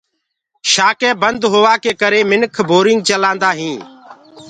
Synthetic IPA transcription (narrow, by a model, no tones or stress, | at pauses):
ʃaːkẽːbənd̪ɦoːʋaːkeːkəɾeːmɪnkʰboːɾɪ̃ŋɡ̚t͡ʃəlãːnd̪aːɦĩː